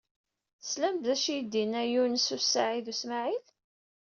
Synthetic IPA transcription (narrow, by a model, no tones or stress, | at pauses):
θslæmbðæʃid̪inæjunəsusaʕiðusmaʕil